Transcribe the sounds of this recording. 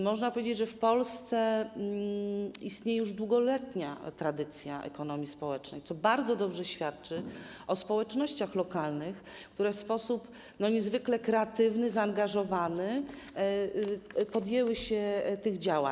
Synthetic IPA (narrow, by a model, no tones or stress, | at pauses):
mɔʐnapɔvʲed͡ʑed͡ʑʐɛfpɔlst̪sɛ | ist̪ɲejɛjuʐd̪wuɡɔlɛt̪ɲat̪ɾad̪ɘt̪sʲja̰ʔɛ̰kɔn̪ɔmʲispɔwɛt͡ʂnɛ̰jt̪sɔbaɾd̪zɔd̪ɔbʐɛɕfʲjat̪t͡ʂɘ | ɔspɔwɛt͡ʂnɔɕt͡ɕaxlɔkalnɘx | kt̪uɾɛfspɔsup | nɔɲɛzvɘklɛkɾɛat̪ɘvnɘzaːŋɡaʐɔvanɘ | pɔd̪jɛwɘɕɛt̪ɘɣd͡ʑawa̰